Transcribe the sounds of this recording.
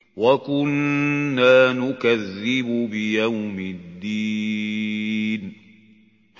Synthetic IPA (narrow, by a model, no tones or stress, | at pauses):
wakʊnːaːnʊkaðːɪbʊbɪjawmɪd̪ːiː | n